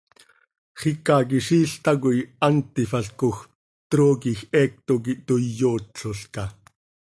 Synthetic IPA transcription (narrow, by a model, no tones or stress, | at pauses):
χikak̬iʃiːɬt̪akuiant̪ifaɬkox | t̪ɾoːkixɛːk̚t̪ok̬it̪ojoːtɬoɬkɑ